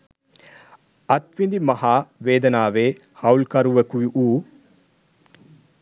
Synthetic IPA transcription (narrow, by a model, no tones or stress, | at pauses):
ɐt̪ʋind̪imɐhaːʋeːd̪ɐnaːʋeː | hɐwlkɐɾuʋɐkuʋiʔuː